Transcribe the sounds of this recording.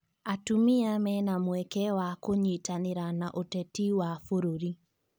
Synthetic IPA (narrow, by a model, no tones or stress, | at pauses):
atumiamɛnamwɛkɛwakoɲitaneɾanaʔotɛtiwafoɾoɾi